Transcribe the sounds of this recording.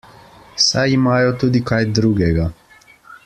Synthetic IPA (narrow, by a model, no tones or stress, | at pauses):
sajimaːjɔt̪uːd̪ikajd̪ɾuːɡɛɡa